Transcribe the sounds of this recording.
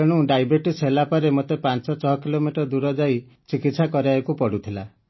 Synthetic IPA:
eɽ̃uɖajbeʈselapɔɾemot̪epansɔt͡ʃɔɦɔkilomiʈɔɾd̪uɾɔd͡ʒaj | t͡ʃikit̪sakɔɾaekupɔɽut̪ʰila

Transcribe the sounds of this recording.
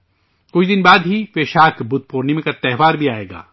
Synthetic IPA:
kʊt͡ʃʰd̪ɪnbaːd̪ɦifeːʃaːkbʊt̪̚poːɾnemẽkat̪ɛɦʋaːɾbʱiaːḛːɡa̰ː

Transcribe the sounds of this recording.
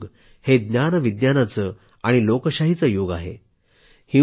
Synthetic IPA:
ɡ | hed̪njanʋid̪janat͡sə | aɽ̃ilokəɕaɦit͡səjoɡaɦḛ | hĩ

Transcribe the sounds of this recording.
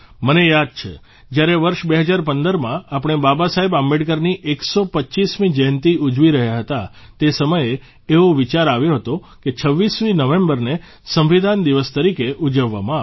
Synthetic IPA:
mənejad̪̚t͡ʃʰḛ | d͡ʒjaɾeʋəɾʃbeɦəd͡ʒaɾpənd̪əɾmãapəɳ̃ebabasaɦebambeɖkəɾniʔeksopətːt͡ʃismĩd͡ʒəjnt̪iud͡ʒʋiɾəɦjaɦət̪a | t̪esəməje | eoʋit͡ʃaɾaʋjoɦət̪o | ket͡ʃʰəʋːisminəʋẽmbəɾne | sə̃mʋid̪ʱand̪iʋəst̪əɾikeʔud͡ʒəʋːamãa

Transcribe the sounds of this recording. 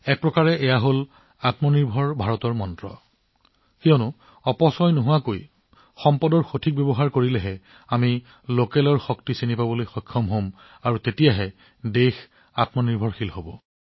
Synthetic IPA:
ɛk̚pɹɔkaɹɛʔɛjaɦol | atmɔniɹbʱɔɹbʱaɹɔtɔɹmɔntɹɔ̰ | kiɔnʊ | ɔpɔsɔjnoɦʊwakoj | xɔmpɔdɔɹxotʰik̚bebɔɦaɹkoɹilɛɦɛ | ami | lokɛlɔɹxɔktisinipabɔlojxɔjkʰːɔmɦom | aɹutetijaɦɛ | dex | atmɔniɹbʱɔɹxilhobɔ

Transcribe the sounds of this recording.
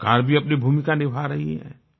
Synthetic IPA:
kaːɾbʱiɐpnibʱuːmɪkanɪbʱaːɾɐɦḭɦɛ̰̃ː

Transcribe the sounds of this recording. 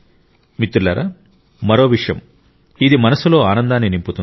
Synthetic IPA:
mit̪ɾulɐɾa̰ | mɐɾo̞ːʋiʂjɐ̰m | id̪imɐnɐsulo̞ːaːnɐnd̪aːnːinimput̪un

